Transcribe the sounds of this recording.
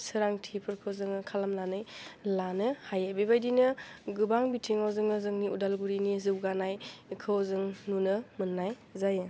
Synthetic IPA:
sɯɾaŋtʰipʰɯɾkʰɯwzɯŋɯkʰalamlanɯjlanɯhajabebajdinɯɡɯbaŋbitʰiŋawzɯŋɯzɯŋniudalɡuɾinizɯwɡanajkʰɯwzɯŋnunɯmɯnːaj | zajɯ

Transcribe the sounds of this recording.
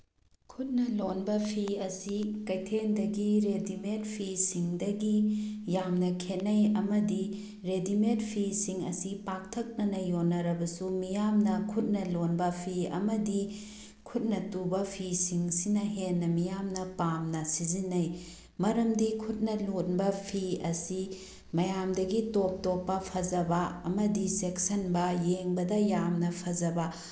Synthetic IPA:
kʰut̚nɐlonbɐpʰiɐsikɐjtʰendɐɡiɾedimet̚pʰisiŋdɐɡijamnɐkʰenːɐjɐmɐdi | ɾedimet̚pʰisiŋɐ̰sipak̚tʰɐk̚nɐnɐjonːɐɾɐbɐsumijamnɐkʰut̚nɐlonbɐpʰiɐ̰mɐdi | kʰut̚nɐtubɐpʰisiŋsinɐɦenːɐmijamnɐpamnɐsizinɐj | mɐɾɐmdikʰut̚nɐlunbɐpʰiɐsi | mɐjamdɐɡitop̚topːɐpʰɐzɐbɐɐmɐdiseksɐnbɐjeŋbɐdɐjamnɐpʰɐzɐbɐ

